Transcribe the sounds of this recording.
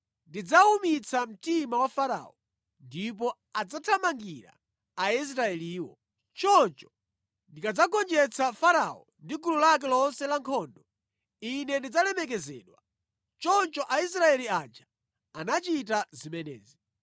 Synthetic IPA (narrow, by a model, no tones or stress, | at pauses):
ndid͡zaumit͡sʰam̩timawafaɾa̰ːɔ | ndip̬ɔ | ad͡zatʰamaŋɡiɾa̰ | ais̬ɾaɛliːwɔ̰ | t͡ʃɔnt͡ʃɔ̥ | ndikad͡zakɔnd͡ʒɛt͡sʰafaɾa̰ɔ̰ | ndikululak̬ɛlɔnsɛlaŋkʰɔndɔ | inɛndid͡zalɛmɛk̬ɛzɛ̰ːɗwa | t͡ʃɔnt͡ʃɔʔais̬ɾaɛliad͡ʒa | anat͡ʃitazimɛnɛ̰ːzi